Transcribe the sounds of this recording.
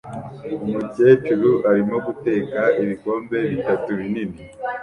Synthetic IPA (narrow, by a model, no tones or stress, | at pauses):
umubɟe̞ːt͡ʃuɾuʔaɾimo̞ɡute̞ːkaiβiko̞ːmbe̞βitatuβinini